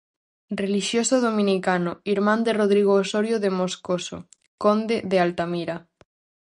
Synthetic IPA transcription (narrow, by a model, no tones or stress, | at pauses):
reliʃjosoð̞omĩnikanoiɾmãnd̪eroðɾiɣ̞oːsoɾjoðemoskoso̰ | kond̪eðealt̪amiɾa